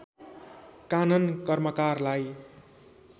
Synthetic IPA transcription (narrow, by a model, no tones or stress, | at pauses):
kanʌnkʌrmʌt͡sarlaj